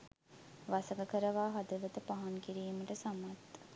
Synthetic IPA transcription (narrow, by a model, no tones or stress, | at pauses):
ʋasəɡəkəɾəʋaːɦad̪əʋət̪əpaɦaŋkiɾiːməʈəsamat̪